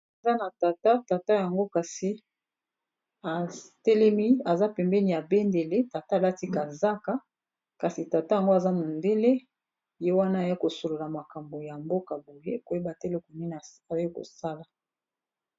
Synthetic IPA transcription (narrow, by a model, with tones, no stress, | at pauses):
e˨za˦na˨ta˨ta˦ta˨ta˦ja˨ŋɡo˦ka˨si˨ | a˨tɛ˦lɛ˦mi˦a˨za˦pɛ˨mbɛ˦ni˨ja˨be˦nde˨le˦ta˨ta˦˨la˦ti˦ka˨za˦ka˦ | ka˨si˨ta˨ta˦ja˨ŋɡo˦a˨za˦mo˨nde˦le˦˨ | je˦wa˦na˦˨ja˦ko˨so˨lo˨la˨ma˨ka˨mbo˨ja˨mbo˦ka˨bo˨je˦ko˨je˦ba˨te˦le˦ko˨ni˦n˨a˨˦ko̰˨sa˦la˨